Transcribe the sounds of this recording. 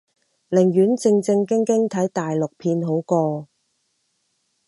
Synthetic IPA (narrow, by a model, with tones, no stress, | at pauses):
lɪ˨˩ŋjyː˨˥nt͡sɪ˧ŋt͡sɪ˧ŋkɪ˥ŋkɪ˥ŋt̪ʰɐ˨˥jt̪aː˨jlʊ˨k̚pʰiː˧nɦo˨˥wkɔː˧